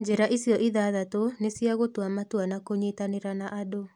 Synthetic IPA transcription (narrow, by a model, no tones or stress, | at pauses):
d͡ʒeɾaʔisjɔʔiðaðatonesijaɣotwamatwanakoɲetaneɾanaʔado